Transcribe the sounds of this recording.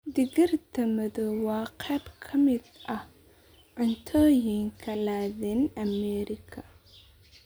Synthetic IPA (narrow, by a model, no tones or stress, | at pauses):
d̪ɪɣɪrt̪ʰɐmɐðɔwɑːqʰɛːbkʰɐmɪd̪ʔɐh | ʕʊnt̪ʰɔːjɪŋkʰɐlaːðɛnɐmɛːɾɪkʰɐ